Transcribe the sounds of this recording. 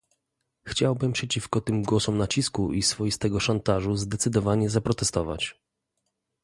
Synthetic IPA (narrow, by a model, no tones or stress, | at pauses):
xt͡ɕawbɘmpʂɛt͡ɕifkɔt̪ɘmɡwɔsɔmnat͡ɕiskuʔisfɔjist̪ɛɡɔʂant̪aʐuzd̪ɛt̪sɘd̪ɔvaɲɛzapɾɔt̪ɛst̪ɔva̰t͡ɕ